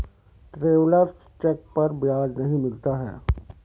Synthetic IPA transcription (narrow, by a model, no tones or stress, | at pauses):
t̪ɾeːwləɾs | t͡ʃɛk̚pɐɾbɪjaːd͡ʒnɐɦĩmɪlt̪aɦɛ̰ː